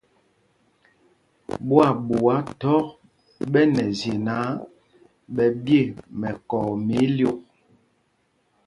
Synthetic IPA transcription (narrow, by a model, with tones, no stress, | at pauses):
bwa˦˨bu˨wa˨˦tɔ˦k̚ | bɛ˦nɛ˨zje˨na˨˦ | ɓɛ˨bje˦˨mɛ˨kɔ˨me˨˦ljo˦k̚